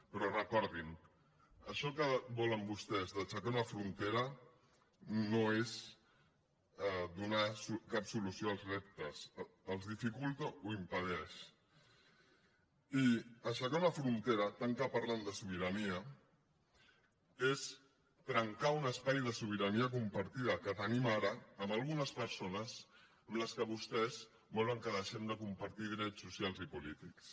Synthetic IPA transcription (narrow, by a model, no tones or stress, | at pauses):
pɾɔrəkɔɾðin | əʃɔkəbɔləmbust̪ɛzðət͡ʃakaunɐfɾunt̪eɾə | noez | d̪unasukapsulusioalˠzrɛp̚t̪əsəlˠzðifikulˠt̪ouimpəð̞ɛʃ | iəʃakaunəfɾunt̪eɾət̪aŋkapaɾland̪əsuβ̞iɾɐniə | es | t̪ɾəŋkaunəspajðəsuβ̞iɾɐniək̬umpəɾt̪iðəkət̪ənimaɾəːmalˠɣunəspəɾsonəs | əmləskəβust̪ɛz | mɔləŋkəðəʃɛmd̪əkumpəɾt̪iðɾɛt͡sːusjalˠzipulit̪iks